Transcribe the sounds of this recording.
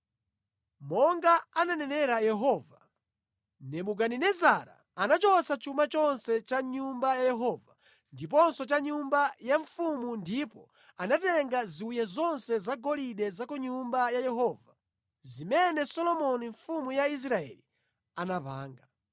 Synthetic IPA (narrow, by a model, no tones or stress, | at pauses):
mɔŋɡaananɛnɛɾajɛɦɔva | nɛmuk̬aninɛzaɾa̰ | anat͡ʃɔt͡sʰat͡ʃumat͡ʃɔnsɛt͡ʃaɲumbajajɛɦɔːva | ndip̬ɔnsɔt͡ʃaɲumbajaɱfumundipɔ | anatɛŋɡaziujazɔnsɛzaɡɔliɗɛzakɔɲumbajajɛɦɔːva | zimɛnɛsɔlɔmɔniɱfumujais̬ɾaɛ̰li | anapa̰ːŋɡa